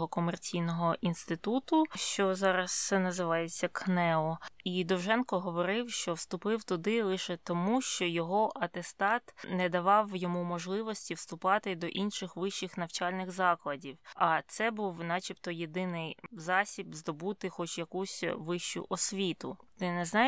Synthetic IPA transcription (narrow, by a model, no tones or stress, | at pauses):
ɦɔkɔmert͡sʲijnɔɦɔʔinst̪ɪt̪ut̪ʊʃt͡ʃɔzɑɾɐsɛnɐzɪʋɑjet͡sʲːɐknɛɔid̪ɔwʒɛnkɔɦɔʋɔɾɪwʃt͡ʃɔwst̪ʊpɪwt̪ʊd̪ɪlˠɪʃɛt̪ɔmuʃt͡ʃɔjɔɦɔʔɐt̪est̪ɑt̪nɛd̪ɐʋɑwjɔmumɔʒlˠɪʋɔsʲtʲiwst̪ʊpɑt̪ɪd̪ɔʔinʃɪxʋɪʃt͡ʃɪxnɐwt͡ʃalʲnɪɣzɑklˠɐdʲiwɐt̪sɛbuwnɑt͡ʃʲipt̪ɔjed̪ɪnɪjzɑsʲibzd̪ɔbut̪ɪxɔt͡ʃjɐkusʲʋɪʃt͡ʃʊ̰ʔɔsʲʋʲit̪ʊ̰t̪ɪnɛznɑ